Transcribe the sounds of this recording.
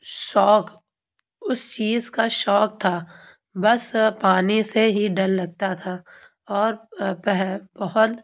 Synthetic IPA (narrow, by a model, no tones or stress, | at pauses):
ʃɔːk | ʊst͡ʃiːzkaʃɔːk̚t̪ʰaː | bɐspaːniseɦiɖɐllɐɡ̚t̪at̪ʰaː | ɔːɾpɛɦbɐɦʊt̪